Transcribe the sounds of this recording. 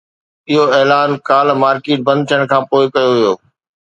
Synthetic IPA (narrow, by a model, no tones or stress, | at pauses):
ɪɦoɛːlaːnkaːlmaːɾkeːʈ̚bɐ̃nd̪̚t̪ʰijəɽ̃kʰãːpoːɪkɐjoɦijoː